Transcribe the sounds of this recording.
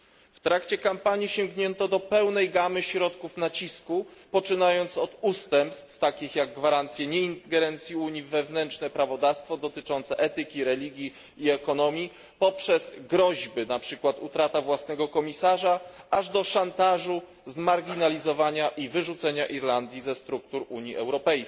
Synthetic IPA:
ft̪ɾakt͡ɕɛkampaɲiɕɛŋɡɲɛnt̪ɔd̪ɔpɛwnɛjɡamɘɕɾɔt̪kufnat͡ɕiskupɔt͡ʂɘnajɔnt̪sɔd̪ust̪ɛmpst̪ft̪akʲixjaɡːvaɾant̪sʲjɛɲɛint̪ɡɛɾɛnt̪sʲjiuɲivvːɛvnɛntt͡ʂnɛpɾavɔd̪afst̪fɔd̪ɔt̪ɘt͡ʂɔnt̪sɛʔɛt̪ɘkʲiɾɛlʲiɡʲjiː | ɛkɔnɔmʲji | pɔpʂɛz̥ɡɾɔʑbɘnapʂɘkwat̪ut̪ɾat̪avwasnɛɡɔkɔmʲisaʐaaʐd̪ɔʂant̪aʐu | zmaɾɡʲinalʲizɔvaɲaʔivɘʐut̪sɛɲaʔiɾland̪ʲjizɛst̪ɾukt̪uɾuɲḭɛ̰wɾɔpɛjs

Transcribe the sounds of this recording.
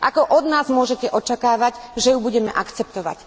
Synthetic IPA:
ʔakɔʔɔd̪naːzmʊɔʒɛcɛʔɔt͡ʃakaːʋaɟʒɛjubuɟɛmɛ̰ʔakt͡sɛp̚t̪ɔʋa̰c

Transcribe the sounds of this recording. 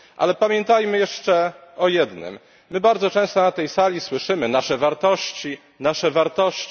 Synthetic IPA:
ʔa̰lɛpamʲjɛnt̪ajmɘjɛʂt͡ʂɛɔjɛd̪nɘ̰mː | ɘbaɾd̪zɔt͡ʂɛ̃w̃st̪ɔnat̪ɛjsalʲiswɘʂɘmɘnaʂɛvaɾt̪ɔɕt͡ɕi | naʂɛvaɾt̪ɔɕt͡ɕ

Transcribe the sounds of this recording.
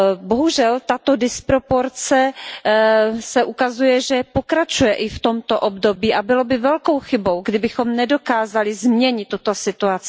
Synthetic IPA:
boɦuʒɛlt̪at̪o̞dɪspɾo̞po̞ɾt͡sɛ | sɛʔukazujɛʒɛpokɾat͡ʃujɛʔɪft̪o̞mt̪oʔobdo̞biːʔabɪlobɪvɛlko̞wxɪbo̞wɡdɪbɪxomnɛdo̞kaːzalɪzmɲɛɲɪt̪ːut̪osɪt̪uat͡sɪ

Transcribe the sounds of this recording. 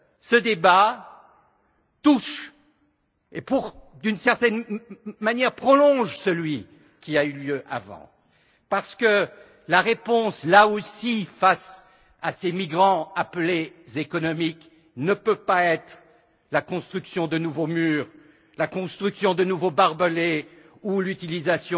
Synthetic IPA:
səd̪eba | t̪uʃ | epuʁ | d̪ynsɛʁt̪ɛnmanjɛʁpχɔlɔ̃ʒsəlɥi | kʲiayljøʔa̰vɑ̰̃ | paʁsə̥kə | laʁepɔ̃slaosifas | asemiɡʁɑ̃aplezekɔnɔmik | nəpøpaɛt̪χ | lakɔ̃st̪χyksjɔ̃d̪ənuvomyːʁ | lakɔ̃st̪χyksjɔ̃d̪ənuvobaʁbəle | ulyt̪ilizasjɔ̃

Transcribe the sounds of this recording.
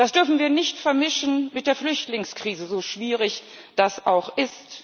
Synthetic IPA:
d̥asd̥ʏɐfn̩viːɐnɪçtfɛɐmɪʃn̩mɪt̚d̥eːɐflʏçtlɪŋskʁ̥iːzəzoːʃv̥iːʁɪç | d̥asʔaʊxʔɪst

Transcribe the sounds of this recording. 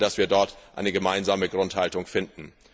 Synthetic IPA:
d̥asv̥iːɐdɔɐtʔa̰ɪnəɡəmaɪnzaːməɡʁʊnthaltʊŋfɪndn̩

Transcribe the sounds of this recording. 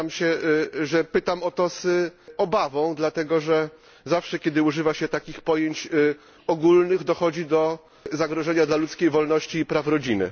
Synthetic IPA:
amɕɛʐɛpɘt̪amɔt̪ɔzɔbavɔ̃w̃d̪lat̪ɛɡɔʐɛ | zafʂɛkʲɛd̪ɘuʐɘvaɕɛt̪akʲixpɔjeɲt͡ɕ | ɔɡulnɘɣd̪ɔxɔd͡ʑid̪ɔ | zaɡɾɔʐɛɲad̪lalut̪skʲejvɔlnɔɕt͡ɕiːpɾafɾɔd͡ʑinɘ̰

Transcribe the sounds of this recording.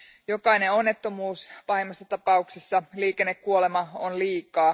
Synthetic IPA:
jo̞kɑine̞o̞nːe̞t̪ːo̞muːspɑhimːɑsːɑt̪ɑpɑuksesːɑliːke̞nːe̞kkuole̞mɑonliːkɑː

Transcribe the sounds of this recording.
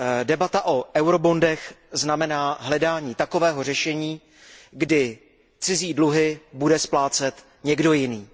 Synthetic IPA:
dɛbat̪aʔo̞ʔɛwɾo̞bo̞ndɛxznamɛnaːɦlɛdaːɲiːt̪ako̞vɛːɦo̞r̝ɛʃɛɲiː | ɡdɪ | t͡sɪziːdluɦɪbudɛsplaːt͡sɛt̪ | ɲɛɡdo̞jɪniː

